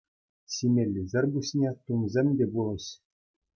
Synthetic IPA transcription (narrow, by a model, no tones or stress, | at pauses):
ɕimʲelʲːizʲɘ̆rʲbuɕʲnʲet̪umzʲemʲdʲebulˠɤ̆ɕ